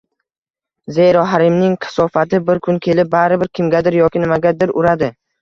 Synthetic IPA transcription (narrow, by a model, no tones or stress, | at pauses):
zejɾɒɦaɾɪmnɪŋqʰɪ̥sɒfat̪ʰɪbɪɾkʰʊnkʲʰe̞lɪp̚baɾɪbɪɾkʲʰɪmɡʲad̪ɪɾjɒkʲɪnɪmaɡʲad̪ɪɾʊɾad̪ɪ